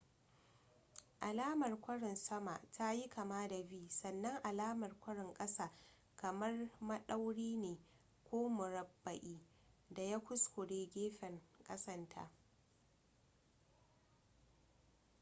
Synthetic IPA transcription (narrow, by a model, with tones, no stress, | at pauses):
ʔa˨laː˦mɐ˨rkʷɐ˦ɽɪ˨nsɐ˦ma˨ʔtʰa˦ji˦kʰɐ˨maː˦da˨biː˦sɐ˨nːɐ˦ŋʔa˨laː˦mɐ˨rkʷɐ˦ɽɪ˨ŋkʼɐ˦saː˨ | kɐ˨mɐ˦rmɐ˦ɗa˦wɽiː˦neː˨ | kʷoː˦mʊ˨ɾɐ˨bːɐ˨ʔiː˦ | da˨ja˦kʷʊ˦skʷʊ˨ɽeː˦ɡʲeː˦ɸɛ˨ŋkʼɐ˦sɐ˦ntʰa̰˨ʔ